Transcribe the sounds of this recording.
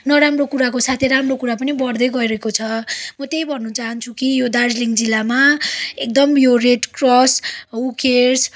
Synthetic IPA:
nʌɾamrokuɾakosat̪ʰeɾamrokuɾap̬ʌnibʌrd̪ʌjɡʌiɾʌekot͡sʰʌmʌt̪ejbʱʌnːut͡saɦʌnt͡sʰukijod̪ard͡zliŋɡd͡zilːamaek̚d̪ʌmjoreʈkrɔsukers

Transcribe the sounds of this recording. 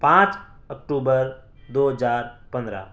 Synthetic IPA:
pãːt͡ʃ | əkʈuːbəɾ | d̪oːɦəd͡ʒaːɾpə̃nd̪ɾa̰ː

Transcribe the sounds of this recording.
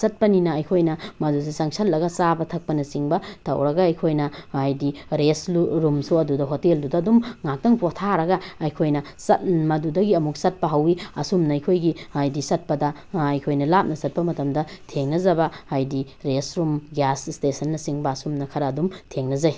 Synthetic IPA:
sɐt̚pɐninɐɐjkʰojnɐmɐdusisɐŋsʰɐllːɐɡɐsabɐtʰɐk̚pɐnɐsiŋbɐtʰɐ̰wɾɐɡɐɐjkʰojnɐajdiɾesuɾumsuɐdudɐɦoteldudɐɐdumŋak̚tɐŋpotʰaɾɐɡɐɐjkʰojnɐsɐt̚mɐdudɐɡiɐmuk̚sɐt̚pɐɦɐwiɐsumnɐːjkʰojɡiajdisɐt̚pɐdɐ | ɐjkʰojnɐlap̚nɐsɐt̚pɐmɐtɐmdɐtʰeŋnɐzɐbɐajdi | ɾesɾumɡjasstesɐnːɐsiŋbɐːsumnɐkʰɐɾɐːdumtʰeŋnɐzɐj

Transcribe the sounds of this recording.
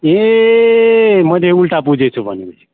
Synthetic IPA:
e | məd̪ʱjeulʈap̬ud͡ʒʱet͡ʃʰubʱənie

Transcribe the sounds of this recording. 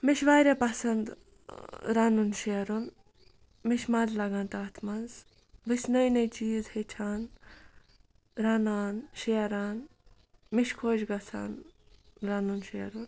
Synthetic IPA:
miʃʰʋaːɾʲepɐsɐnd̪ | ɾaːnunʃeɾun | miʃʰmɐllɐɡɐnt̪aːt̪ʰmɐnz | ʋɨsʲnɐjnɐjt͡ʃiːzhet͡ʃʰaːn | ɾaːnaːnʃeɐɾaːn | miʃkʰoːd͡ʒɡɐt͡sʰa̰ːn | ɾaːnunʃeɐɾun

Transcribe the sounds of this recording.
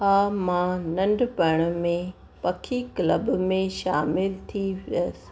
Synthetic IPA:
ɦaːmãnɐ̃ɳɖpɐɽ̃mẽ | pɐkʰikləbmẽʃaːmɪlt̪ʰiʋəs

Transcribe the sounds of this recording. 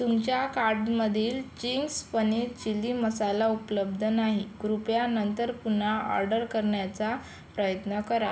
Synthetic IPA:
t̪umt͡ɕjakaɾɖməd̪ʱiːlt͡ɕiŋɡspənit͡ɕiliməsalaupləbd̪ʱənaɦiɡɾupjanənt̪əɾpun̤aɔ̰ɾɖəɾkəɾɳjat͡sa | pɾəjət̪nəkəɾa

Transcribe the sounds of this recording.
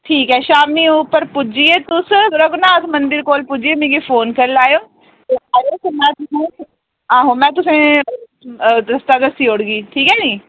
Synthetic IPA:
ʈʰiːkɦɛːʃaːmĩʊpəɾpʊd͡ʒiet̪ʊsɾəɡʊnaːt̪ʰmɐ̃nd̪ɪɾkoːlpʊd͡ʒiemẽːɡifoːnkɐɾɪlaːjoː | t̪eaːjosmɛ̃ːt̪ʊsẽ | ãːɦomɛ̃ːt̪ʊsẽ | ɾɐst̪ad̪ɐsioːɽɡiːʈʰiːkɦɛːd͡ʒiː

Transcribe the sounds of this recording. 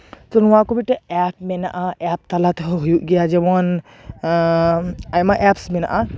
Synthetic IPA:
t̪ɔnũakobiʈɛɛp̚mɛna̰ʔaʔɛp̚t̪alat̪ʰɦɔɦojuʔɡɛjad͡ʒɛmɔn | ajmaʔɛpsmɛna̰ʔa

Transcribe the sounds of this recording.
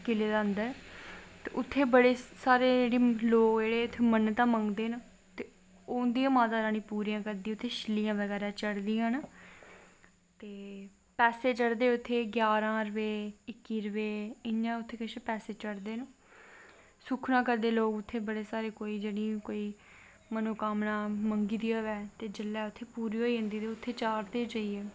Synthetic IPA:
kɪleːd̪aːənd̪əɾt̪eːʔʊt̪ʰːeːbəɽeːsaːɾeːeːɽiːloːkd͡ʒeːɽeːʊt̪ʰːeːmənt̪ãːmə̃ŋɡd̪eːna | t̪eː | oːnd̪ijãːmãːt̪aːɾaːñĩːpuːɾijãːkəɾd̪ĩːʊt̪ʰːeːʃɪliːjãːʋəɡɛːɾãːt͡ʃəɽd̪iːjãːna | t̪eː | pɛːseːt͡ʃəɽd̪eːʊt̪ʰːeːɡjaːɾãːɾəʋeːɪkːiːɾəʋeːɪnːãːʊt̪ʰːeːkɪʃepɛːseːt͡ʃəɽd̪eːnũː | sʊkʰnãːkəɾd̪eːloːɡʊt̪ʰːeːbəɽeːsaːɾeːkoːiːd͡ʒeːɽĩːkoːiː | mənoːkaːmnãːməŋɡiːd̪ijaːʋɛːt̪eːd͡ʒəlːɛːʊt̪ʰːeːpuːɾiːoːiːɦʊ̃nd̪iːd̪eːʊt̪ʰːeːt͡ʃaːɾd̪eːd͡ʒaːiːɛː

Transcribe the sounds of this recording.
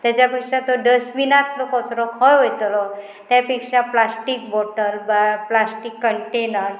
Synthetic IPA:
t̪at͡ɕapikʂat̪oɖəsminat̪ʰlɔkɔsɾɔkʰɔjɦojt̪lɔ | t̪japiksaplasʈik̚bɔʈəɾbaplasʈikːəɳʈenəɾ

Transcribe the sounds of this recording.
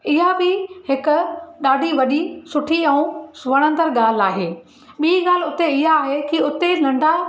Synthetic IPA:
ɪɦabɪhɪkʊ̆ɗaːɖʱiʋɐɗisʊʈʰiɛ̃ũsʋɐɽ̃ə̃nd̪əɾɠaːl̤aːɦeː | ɓiɡaːl̤ʊt̪eɪɦaːɦekiʊt̪elɐ̃ɳɖʱa

